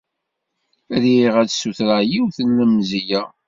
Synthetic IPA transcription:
ɾiʁædsuθɾaʕjiwθəlːəmzijæ

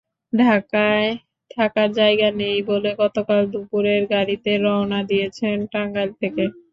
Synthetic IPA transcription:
ɖʱakae | ʈʰakaɾd͡ʑajɡanejboleɡɔt̪okald̪upuɾeɾɡaɽit̪eɾɔnad̪ijet͡ɕʰenʈaŋɡalt̪ʰeke

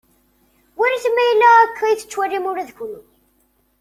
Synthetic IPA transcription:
wiɾiθmːæjəlːæækʰːæjθə̥t͡ʃːwærːimʊɾæðçlu

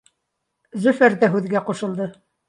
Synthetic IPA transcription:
zɵfæɾd̪æɦʉðɡæqŏʃɤ̆lˠd̪ɤ

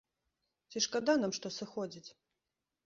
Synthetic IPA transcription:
t͡sʲiʂkad̪anamʂt̪ɔsɨxɔd͡zʲit͡sʲ

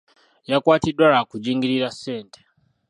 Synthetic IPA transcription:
jakwaːtidwaɾakud͡ʒiːŋɡiɾiɾase̞ːnte̥

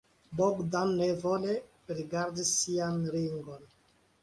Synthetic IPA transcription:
boɡdanːevole | ɾiɡaɾdisianɾiŋɡon

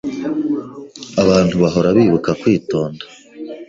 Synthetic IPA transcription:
aβaːntuβaɦo̞ɾaβiːβukakwiːto̞ːnda

